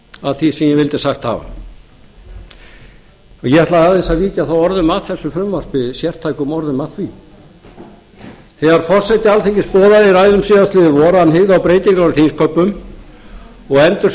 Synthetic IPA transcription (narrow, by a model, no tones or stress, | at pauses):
aðθisɛmjɛvɪlt̪ɪsaxt̪ha̰ːva̰ | ajɛhaɾt̪laðaðɛnsaðviːc̪aθawɔɾðʏmaðθɛsːʏfɾʏmvaɾ̥pɪsjɛr̥t̪ʰajkʏmɔɾðʏmaðθvi | θɛɣaɾ̥fɔr̥sɛt̪ɪalθeŋcɪspɔːðaðɪɾaːjðʏmsɪːðast̪lɪːðɪvɔɾaanːɦeɣawpɾeːjt̪iŋkaɾaɾθʰinskʰœpːʏm | ɔɣɛnt̪ʏɾ